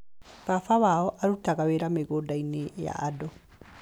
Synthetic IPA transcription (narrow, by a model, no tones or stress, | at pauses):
kafawaɔʔaɾutaɣaweɾameɣodaineja̰dɔ